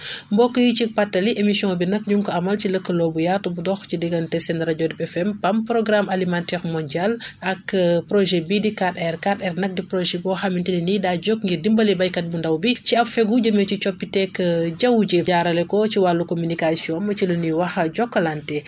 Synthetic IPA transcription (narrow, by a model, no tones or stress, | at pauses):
mbɔkːəjicipatːɐliʔemisjɔ̃ŋbinɐkɲuŋkɔɐmɐlciləkːəlɔːbujatɔbudɔxcidiɡɐntɛsɛndɾɐɟɔdipɛfɛmpɐmpɾɔɡɾamalimantɛɾmɔndalɐkːpɾɔʒɛbidikatɛrkatɛrnɐk̚dipɾɔʒɛbɔːxamintininidaɟɔkŋɡidimbɐlibɐjkɐt̚bundɐwbiciɐpfɛɡuɟɐmɛcit͡ʃɔpːitɛkːəɟɐwɟiaɾɐlɛkɔciwalukomynikasiɔ̃nɐciluniwɐxɐɟɔkːɐlantɛ